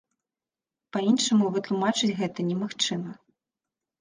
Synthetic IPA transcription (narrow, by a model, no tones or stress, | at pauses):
pɐinʂɐmuvɨt̪lˠumat͡ʂɨt͡sʲɣɛt̪ɐnʲɛmaxt͡ʂɨmɐ